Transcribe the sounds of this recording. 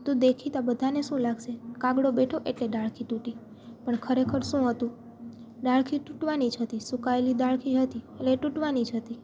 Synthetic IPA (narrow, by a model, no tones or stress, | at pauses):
t̪ũd̪ekʰit̪oabəd̪ʱaneʃũlaɡʃekãɡɽobeʈʰoʔeʈleɖaɭkʰiʈũʈi | pəɳkʰəɾekʰəɾʃũɦət̪ũ | ɖaɭkʰiʈũʈʋanid͡ʒɦət̪isukaelid̪aɭkʰiɦət̪ieleʈũʈʋanid͡ʒɦət̪i